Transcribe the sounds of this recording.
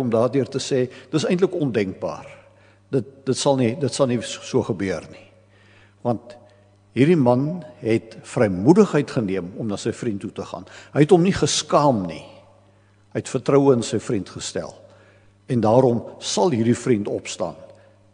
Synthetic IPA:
ɔmdɑːrdiərtəsɛːdə̥təsɛjntləkɔndɛŋk̚bɑ̰ːr | dət̚dətsɐlˠnidətsɐlˠnisuəχəbyərni | vɐnt̚ | ɦirdimɐnɦɛtfrəjmudəχɦəjtχəniəmɔmnɑːsəjfrintːutəχɑ̰ːnɦəjɛtɦɔmniχəskɑːmnḭ | ɦəjɛtfərtrəwəənsəjfrintχəstæ̰lˠ | ɛndɑːɾɔmsɐlˠɦirdifrintɔpstɑ̰ːn

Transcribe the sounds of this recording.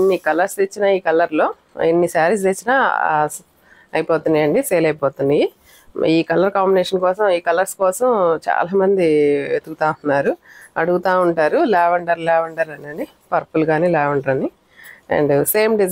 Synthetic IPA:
inːikɐlɐɾsit͡ʃːinɐiːkɐlːɐɾlo̞ː | enːisaːɾiset͡ʃːina̰ː | ɐjipoːt̪und̪ijɐɳɖiseːlɐjpɔːt̪und̪i | iːkɐlɐɾkaːmbineːʂɐnkɔːsɐmiːkɐlɐɾskɔːsɐmt͡ʃa̰ːlaːmɐnd̪iet̪uɡut̪aːunːaːɾuɐɽuɡut̪aːuɳʈaːɾulɛːʋɐɳʈɐɾulɛːʋɐɳʈaɾɐnɐni | pɐɾpulɡaːniːlɛːʋɐɳɖɐɾɐni | ḛɳɖse̞ːmɖi

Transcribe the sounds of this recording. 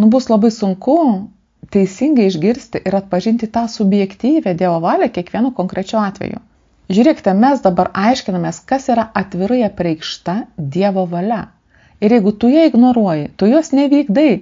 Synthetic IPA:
nʊbʊslˠɐbɐɪsʊŋkʊ | t̪ʲɛɪsʲɪŋɡɐɪɪʒʲɡʲɪɾʲsʲt̪ʲɪʔɪɾɐt̪̚pɐʒʲɪnʲt̪ʲɪt̪ɑːsʊbʲjɛkt̪ʲiːʋʲɛd̪ʲiɛʋoːʋɑːlʲɛkʲiɛkʋʲiɛnuːkoːŋkɾʲɛt͡ʃʲɛʊɑːt̪ʲʋʲɛ̰jʊ̰ | ʒʲuːɾʲiɛkʲɪ̥t̪ʲɛmʲɛsd̪ɐbɐɾʔɐɪʃʲkʲɪnɐmʲeːskɐsiːɾɐʔɐt̪ʲʋʲɪɾɐjɛpʲɾʲɛɪkʃt̪ɐd̪ʲiɛʋoːʋɐlʲɛ | ɪɾjɛɪɡʊt̪ʊjiɪɡnoːɾuɔjɪt̪ojoːsnʲɛʋʲiːɡd̪ɐɪ

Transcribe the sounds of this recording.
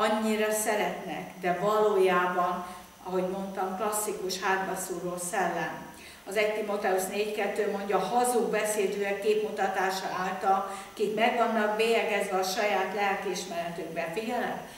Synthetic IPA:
ɒɲːiɾɒsɛɾɛt̪nɛ̰kd̪ɛvɒloːjaːbɒn | ɒɦo̞ɟmo̞nt̪ɒmklɒsːikuʃhaːd̪bɒsuːɾoːlsɛlːɛn | ɒzɛɟt̪imo̞t̪ɛusneːckɛt̪ːøːmo̞ɲɟɒːɦɒzuɡ̚bɛseːd̪øːɛkːeːpmut̪ɒt̪aːʃɒ̰aːlt̪ɒlkikmɛɡʋɒnːɒk̚beːjɛɡɛzʋɛɒʃɒjaːt̪lɛlkiʃmɛɾɛt̪øɡbɛfiɟɛlɛ̰m

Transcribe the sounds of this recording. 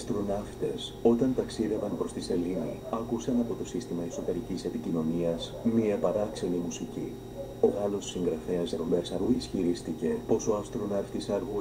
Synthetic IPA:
st̪ɾunɐft̪e̞so̞t̪ɐnt̪ɐksiðe̞vɐnpɾo̞st̪ise̞liniɐkusɐnɐpo̞t̪o̞sist̪imɐiso̞t̪e̞ɾicise̞picino̞niɐsmiɐpɐɾɐkse̞nimusici | o̞ɣɐlo̞sːiŋɡɾɐfe̞ɐzeɾombeɾsɐɾɣuisçiɾist̪ice̞po̞so̞ɐst̪ɾunɐft̪isɐɾɣu

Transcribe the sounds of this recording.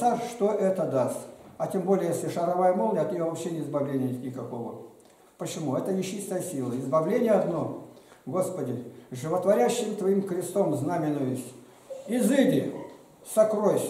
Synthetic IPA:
saʂt̪oʔɛt̪əd̪ast̪ʲɐtʲembo̞lʲɪjəjesʲlʲɪʂɐɾɐvajəmolˠnʲeɐt̪nʲɪjovɐpɕːenʲɪɪzbɐvlʲenʲɪjnʲt̪nʲɪkɐko̞və | pət͡ɕɪmuɛt̪ənʲɪt͡ɕːist̪əjəsʲilˠəɪzbɐvlʲenʲɪjəɐd̪no̞ɡo̞spədʲɪʐɨvət̪vɐɾʲæɕːɪmt̪vɐimkɾʲɪst̪omznamʲɪnʊjʊsʲ | ɪzɨdʲɪ | sɐkɾojsʲ

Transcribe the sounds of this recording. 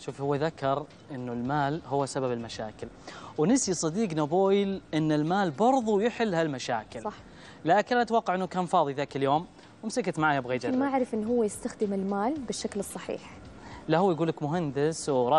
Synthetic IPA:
ʃuːfhʊwːaðakːɑɾˤ | ʔɪnːʊlmaːlhʊwːasababɪlmaʃaːkɪl | wnɪsisˤɑd̪iːɡnaboːjlʔɪnːɪlmaːlbɑɾˤðˤujɪħɪlːhalmaʃaːkɪlɑː | aːkɪnʔat̪wɑqːɑʕʔɪnːukaːnfɑːðˤiðaːkɪljoːm | wɪmsɪkat̪maʕaːjabɣeːd͡ʒnmaʔaʕɾˤɪfʔɪnːɦʊwːajɪst̪axd̪ɪmɪlmaːlbɪʃːaklɨsˤːɑħḭːħlahʊːjɡuːlːakmʊɦand̪ɪswɾˤɑː

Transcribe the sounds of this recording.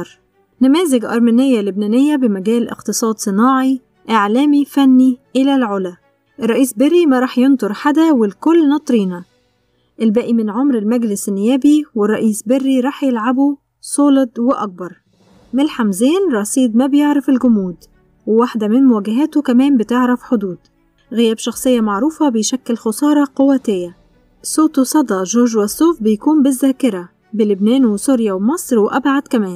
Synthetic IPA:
ɾ | næmæːzeɡʔɑ̰ɾˤmænejːælʊbnænejːæbemæɡæːlʔḛqt̪ɨsˤɑːd̪sˤɨnɑːʕi | ʔeʕlæːmifænːiʔelælʕolæ | ʔerˤːɑʔiːsberːimæɾˤɑːħjent̪oɾˤħad̪æwelkolːnɑt̪ˤɾiːnæ | ʔelbæːʔimɪnʕomɾelmæɡlɪsnːejæːbiwerˤːɑʔiːsberːiɾˤɑːħjelʕabo | sˤoːled̪weʔɑk̚bɑɾˤ | mɪlħamzeːnɾˤɑsˤiːd̪mæbjeʕɾɑfɪlɡʊmuːd̪ | wɪwaħd̪æmɪnmʊwæːɡæɦæːt̪okæmæːmbɪt̪eʕɾɑfħod̪uːd̪ | ɣɪjæːbʃɑxsˤejːɑmaʕɾuːfɑbɪjʃækːɪlxʊsˤɑːɾˤɑqowæt̪ɪjːæ | sˤoːt̪osˤɑd̪ˤɑʒoːʒwæsːoːfbɪjkuːmbɪzːæːkɪɾæ | bɪlɪbnæːnwesuɾjæwmɑsˤɾwʔæbʕad̪̥kæmæːn

